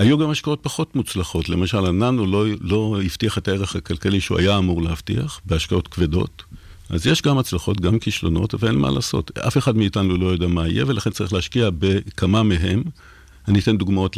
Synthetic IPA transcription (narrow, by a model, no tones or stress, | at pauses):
ajuɡamaʃkao̞t̚paχo̞tmut͡slaχo̞tle̞maʃalananulolo̞iftiaχe̞taeʁeχakalkaliʃeua̰jaːmuʁleaftḭa̰χbeaʃkao̞tkvedo̞̰t | ʔa̰zjeʃɡamat͡slaχo̞tɡamkiʃlo̞no̞̰tveenmʔa̰la̰ːso̞̰tʔa̰fe̞χadmiːtanulo̞jo̞deamaijevelaχe̞nt͡saʁiχleaʃkiabekʰamameɦe̞m | anit̪e̞nd̪uɡmao̞t